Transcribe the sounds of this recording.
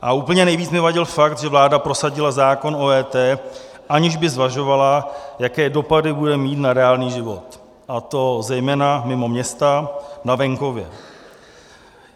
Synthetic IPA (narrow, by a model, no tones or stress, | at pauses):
ʔauːpl̩ɲɛnɛjviːt͡snɛvaɟɪlfakt̪ʒɛvlaːdapɾo̞saɟɪlazaːko̞nʔoːɛːt̪ɛː | ʔaɲɪʒbɪzvaʒo̞valajakɛːdo̞padɪbudɛmiːt̪naɾɛaːlniːʒɪvo̞t̪ | ʔat̪o̞zɛjmɛːnamɪmo̞mɲɛst̪anavɛŋko̞vjɛ̰